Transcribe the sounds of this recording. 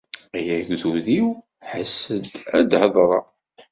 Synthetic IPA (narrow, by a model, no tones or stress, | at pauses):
æjæʝðuðiw | ħəsːəd̪æd̪həðˤɾˤɑ